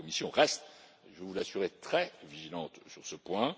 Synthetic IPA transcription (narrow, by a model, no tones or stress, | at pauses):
ɔmisjɔ̃ʁɛst̪ | ʒəvulasyʁet̪χɛviʒilɑ̃t̪syʁsəpwɛ̃